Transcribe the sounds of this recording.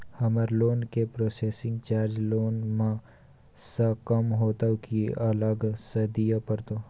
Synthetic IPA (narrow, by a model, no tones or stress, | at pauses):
hɐməɾloːnkepɾoːseːsɪ̃ŋɡt͡ʃaːɾd͡ʒloːnmã | sɐkɐmɦoːt̪akiʔɐləɡsɐd̪ijapɐɾt̪oː